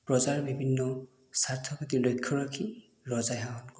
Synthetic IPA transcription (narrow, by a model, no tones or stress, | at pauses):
pɹɔzaɹbibʱinːɔ | saɹt̪ʰɔkɔtilojkʰːɔɹɔkʰi | lɔzajɦaɦɔnk